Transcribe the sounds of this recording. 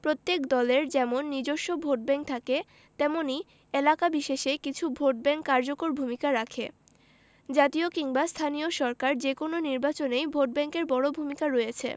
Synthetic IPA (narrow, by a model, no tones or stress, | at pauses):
pɾot̪ːekd̪ɔleɾd͡ʑɛmonːid͡ʑoʃːobʱoʈ̚bɛŋk̚t̪ʰake | t̪ɛmoni | elakabiʃeʃekit͡ɕʰubʱoʈ̚bɛŋkːaɾd͡ʑokoɾbʱumikaɾakʰe | d͡ʑat̪iokiŋbast̪ʰanioʃɔɾkaɾd͡ʑekononiɾbat͡ɕonejbʱoʈ̚bɛŋkeɾbɔɽobʱumikaɾɔjet͡ɕʰḛ